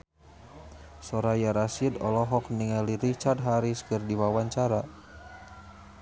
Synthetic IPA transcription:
sɔɾajaɾasidɔ̰lɔɦɔk̚niŋaliɾit͡ʃard̚ɦaɾiskɨrdiwawaɲt͡ʃaɾa

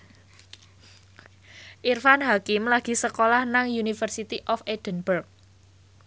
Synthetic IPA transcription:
ʔirfanɦakɪmlaɡ̥i̤səkolahnaŋjunifərsit̪iʔɔfed̥ə̤nbərk̚

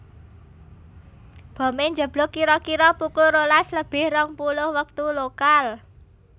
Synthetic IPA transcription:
b̥ɔ̤meɲd͡ʒə̤b̥lɔkiɾɔkiɾɔpukʊɾolasləb̥ɪhrɔŋpulʊhwək̚t̪ulokal

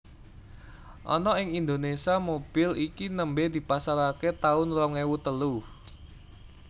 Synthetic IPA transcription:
ʔɔ̰nɔɪŋind̪onesiamob̥ɪlikinəmbed̪̥i̤pasaɾaket̪aʊnlɔŋɛwut̪əlu

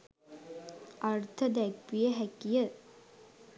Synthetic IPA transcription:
ʔɐrt̪ʰɐd̪ækʋijəɦækijə

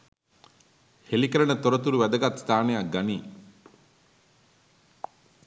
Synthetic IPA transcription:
helikɐɾɐɳət̪oɾɐt̪uɾuʋɛd̪ɐɡat̪st̪ʰaːnejaɡɐniː

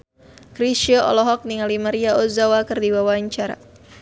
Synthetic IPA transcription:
kɾiʃiɔɔ̰lɔɦɔk̚niŋalimaɾiaɔzawakɨrdiwawaɲt͡ʃaɾa̰

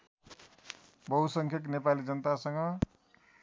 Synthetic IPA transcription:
bʌɦusʌŋkʰʌknepalid͡zʌnʌt̪asʌŋʌ

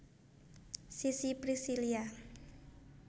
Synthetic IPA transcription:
sisipɾisilia

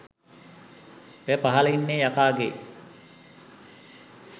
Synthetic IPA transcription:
ejpaɦɐlɐinːeːjakaːɡḛː

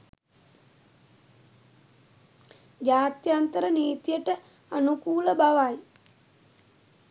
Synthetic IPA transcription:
d͡ʒaːt̪jant̪əɾəniːt̪ijəʈə | anukuːləbaʋaj

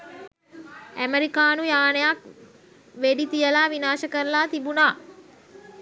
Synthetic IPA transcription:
æmeɾikaːnujaːnejak̚ | ʋeɖit̪ijəlaːʋinaːʃəkəɾlaːt̪ibunaː

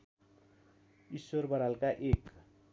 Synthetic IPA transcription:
isworbʌɾalkaʔek

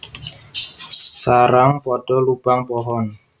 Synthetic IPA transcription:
saɾaŋpɔɖ̥ɔlub̥aŋpɔɦɔn

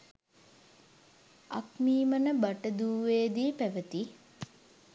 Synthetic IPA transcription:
a̰kmiːmənəbaʈəd̪uːʋeːd̪iːpæʋət̪i

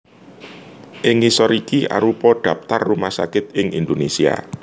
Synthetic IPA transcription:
ʔɪŋisɔɾikiʔa̰ɾupɔɖ̪̥ä̤p̚t̪arːumahsakɪt̪̚ɪŋḭnd̪onesia̰

